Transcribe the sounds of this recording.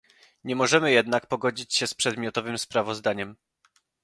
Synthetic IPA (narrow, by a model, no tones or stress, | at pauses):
ɲɛmɔʐɛmɘjɛd̪nakpɔɡɔd͡ʑit͡ɕɕɛspʂɛd̪mʲjɔt̪ɔvɘmspɾavɔzd̪aɲɛm